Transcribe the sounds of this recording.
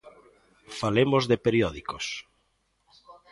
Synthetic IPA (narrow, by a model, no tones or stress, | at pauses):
falemozðepeɾiɔðikos